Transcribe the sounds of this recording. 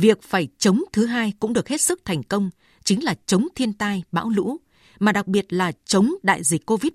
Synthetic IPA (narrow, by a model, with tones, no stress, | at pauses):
vi˨˩ək̚faː˧˩jt͡ɕə˨˦wŋ͡mt̪ʰɨ˨˦ɦaː˧jkʊ̰˧˥ŋ͡mɗɨ˨˩ək̚he˦˥t̚sɨ˦˥k̚t̪ʰɛ˨˩ŋ̟kə˧wŋ͡m | t͡ɕï˨˦ŋlaː˨˩t͡ɕə˨˦wŋ͡mt̪ʰi˧ənt̪aː˧jɓa̰ː˧˥wlṵ˧˥ | maː˨˩ɗa˨˩k̚ɓi˨˩ət̚laː˨˩t͡ɕə˨˦wŋ͡mɗa̰ː˧˨jzï˨˩k̟ko˧vi˦˥t̚